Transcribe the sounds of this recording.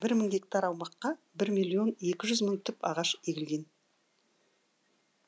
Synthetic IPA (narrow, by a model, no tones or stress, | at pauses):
bɪɾməŋɡ̪ʲe̞k̚t̪ɑɾɑwmɑqːɑ | bɪɾmijlˠijo̞ne̞kʲɪʒʏzməŋt̪ʰʏpɑ̰ʁɑʃeɡʲɪlɡʲe̞n